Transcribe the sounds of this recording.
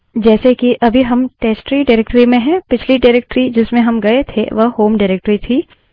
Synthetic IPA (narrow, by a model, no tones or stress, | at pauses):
d͡ʒɛːsekiʔɐbʱiɦɐmʈeːsʈɾiɖaːɾeːk̚ʈɾimẽɦɛ̃ːpɪt͡ʃʰliɖaːɾeːk̚ʈɾid͡ʒɪsmẽɦɐmɡɐet̪ʰḛʋɐɦhoːmɖaɪɾeːk̚ʈɾit̪ʰiː